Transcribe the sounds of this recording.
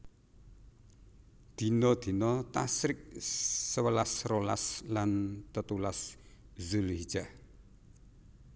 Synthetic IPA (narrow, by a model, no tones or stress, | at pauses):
d̪̥i̤nɔd̪̥i̤nɔt̪asɾɪk̚səwəlasrola̰slant̪ət̪ulaszulhid̥d͡ʒ̥ah